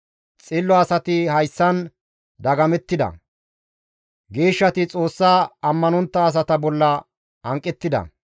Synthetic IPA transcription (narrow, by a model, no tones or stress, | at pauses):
t͡sʼɪlːɔɐsɐt̪ɪhɐjsːɐn | d̪ɐɡɐmɛt̪ːɪd̪ɐ̰ | ɡe̞ːʃːɐt̪ɪt͡sʼo̞ːsːaːɐmːɐnɔnt̪ːɐːs̬ɐt̪ɐbɔlːɐ | ɐŋkʼːɛt̪ːɪd̪ɐ̰